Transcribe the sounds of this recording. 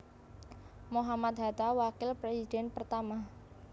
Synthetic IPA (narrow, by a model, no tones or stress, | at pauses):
moɦamat̪̚ɦat̪awakɪlpɾesidɛnpərt̪ama